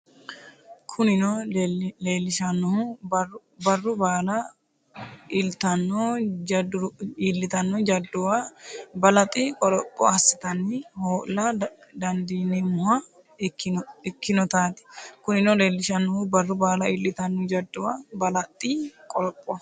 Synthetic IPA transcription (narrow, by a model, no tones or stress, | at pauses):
kʰʊnɪnɔleːlːɪʃɐnːɔhʊ | bɐrːʊbaːlɐ | ɪlt̪ɐnːɔd͡ʒdilːɪt̪ɐnːɔd͡ʒɐd̪ːʊwabɐlɐt̪ʼːɪkʼɔlɔpʼːɔ̰ɐsːɪt̪ɐnːɪhoːʔlɐd̪ɐnd̪iːnɛmʊhɐ | ɪkːɪnɔt̪aːt̪ɪ̥kʊnɪnɔleːlːɪʃɐnːɔhʊbɐrːʊbaːlɐɪlːɪt̪ɐnːɔd͡ʒɐd̪ːʊwabɐlɐt̪ʼːɪkʼɔɾɔpʼːɔ